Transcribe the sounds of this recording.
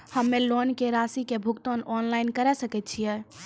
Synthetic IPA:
həmːelonkeɾasikebʱukt̪onɔnlainkəɾɛsəkɛt̪̚t͡ʃʰijɛ

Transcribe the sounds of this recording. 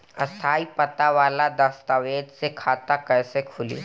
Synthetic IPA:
ɐst̪ʰaːipɐt̪aʋaːlad̪ɐst̪aʋeːd̪sekʰaːt̪akɛːsekʰʊlḭː

